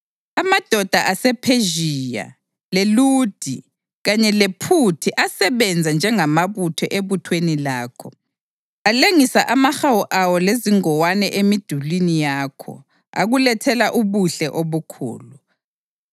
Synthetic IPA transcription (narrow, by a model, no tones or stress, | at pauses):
amad̥ʱɔd̥ʱaʔasɛpʰeʒija̰ | leluːd̥ʱi | ɣaɲɛlepʰutʰiʔasɛβɛnd͡zʱand͡ʒʱɛŋamaβutʰɔ̰ʔeβutʰwenilaːkʰɔ | aleŋisaʔamaxawuʔawɔleziŋɔwanɛʔemid̥ʱulinijaːkʰɔ̰ | a̰ɣulɛtʰɛlaʔuβuɬɛʔoβukʰṵːlu